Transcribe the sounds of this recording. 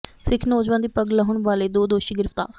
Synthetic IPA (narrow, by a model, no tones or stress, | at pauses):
sɪkʰnɔːd͡ʒʋãːnd̪iːpəɡləɦʊɳʋaːleːd̪oːd̪oːʃiːɡɪɾɪft̪a̰ːɾ